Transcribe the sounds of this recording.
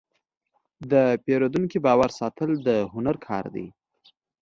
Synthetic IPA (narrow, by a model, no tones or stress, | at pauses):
d̪əpeɾod̪unkibɑwaɾsɑt̪əld̪əɦʊnaɾkʰɑ̰ɾd̪ḭ